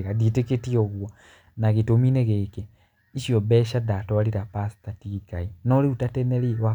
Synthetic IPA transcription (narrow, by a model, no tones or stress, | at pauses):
ɣaditeketioɣwa | naɣitomineɣeke | iʃiobeʃadatoaliɾapasi̥tatikainoliutateneliwa